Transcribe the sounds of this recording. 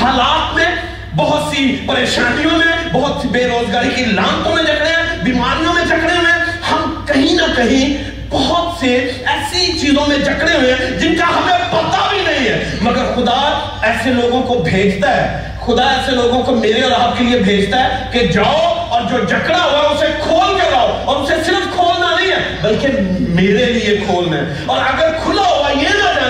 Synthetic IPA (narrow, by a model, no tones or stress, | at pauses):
haːlaːt̪mẽ | bɐɦʊt̪sipɐɾeːʃaːnijõmẽbɐɦʊt̪sibeːɾoːd͡ʒɡaːɾikilãːnt̪õmẽleːkʰɽeɛ̃biːmaːɾijõmẽd͡ʒɐkɽeɦʊẽhɐmkɐɦĩnɐkɐɦĩ | bɐɦʊt̪seɛːsit͡ʃiːzõmẽd͡ʒɐkɽeɦʊɛ̃d͡ʒɪnkaɦɐmẽpɐt̪abʱinɐɦĩɦɛːmɐɡəɾxʊd̪a | ɛːseloːɡõkobʱeːd͡ʒt̪aɦɛ̰ː | xʊd̪aɛːseloːɡõkomeːɾeɔːɾaːt̪̚keliebʱeːd͡ʒt̪aɦɛːked͡ʒaːoɔːɾd͡ʒoːd͡ʒɐkɽaɦoaʊsekʰoːlked͡ʒaːoɔːɾʊsesɪɾəfkʰoːlnanɐĩɛ | bɐlkemeːɾeliekʰoːlnɛ̰ | ɔːɾɐɡəɾkʰʊlaɦoajenad͡ʒa